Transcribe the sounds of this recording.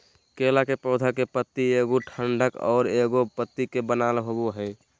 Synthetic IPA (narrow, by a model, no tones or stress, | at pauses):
keːlakepɔːd̪ʱakepət̪ːieɡoʈʰəɳɖʱəkɔ̰ːɾeɡopət̪ːikebənalɦoboɦɛɪ